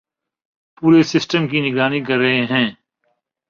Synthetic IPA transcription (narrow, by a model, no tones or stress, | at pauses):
puːɾesɪsʈəmkinɪɡɾaːnik̬ɐɾːɐɦeɦɛ̃ː